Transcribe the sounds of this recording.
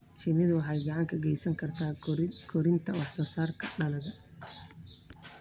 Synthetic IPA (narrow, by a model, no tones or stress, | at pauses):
ʃɪmɪðʊwɑħɑjɡɑʕɑŋkʰɐɡɛjsɐŋkʰɐrt̪ʰaːkʰɔɾɪnt̪ʰɐwɑħsɔːsaːrkʰɐɖɐlɐɣɐ